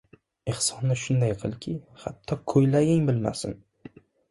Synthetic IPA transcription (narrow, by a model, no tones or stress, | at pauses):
ehsɒnːɪʃʊnd̪ajqʰɨlˠkʲʰɪhat̪ʰːɒkʰɵjlaɡʲɪŋbɪlma̰sɪ̰n